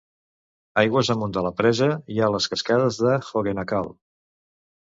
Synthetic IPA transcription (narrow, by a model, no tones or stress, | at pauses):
ajɣwəzðəmund̪ələpɾɛzəialəskəskaðəzðəxoɣenəkalˠ